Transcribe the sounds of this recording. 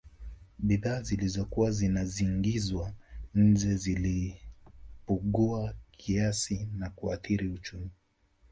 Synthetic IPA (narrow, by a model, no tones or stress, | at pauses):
ɓiðaːzilizɔkuwazinaziŋɡizwaɲ̩d͡ʒɛzili | puɠuakʰiasinakua̰θiɾiut͡ʃumi